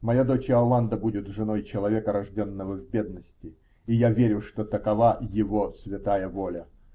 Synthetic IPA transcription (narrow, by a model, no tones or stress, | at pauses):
mɐjad̪o̞t͡ɕɐlˠand̪əbudʲɪt̪ʐɨno̞jt͡ɕɪlˠɐvʲekəɾɐʐdʲo̞nːəvəvbʲe̞d̪nəsʲtʲɪ | ijavʲeɾʲʊʂt̪ot̪əkɐvajɪvosvʲɪt̪ajəvolʲə